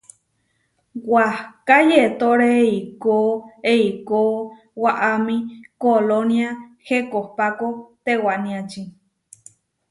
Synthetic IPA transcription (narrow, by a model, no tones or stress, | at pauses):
wahkajet̪oɾeikoeiko | waʔamĩkolonjahekohpakot̪ewanĩat͡ʃi